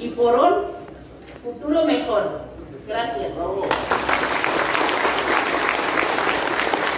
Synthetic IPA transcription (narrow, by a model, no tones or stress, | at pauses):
ipoɾon | fut̪uɾomekono | ɡɾasjasawɣo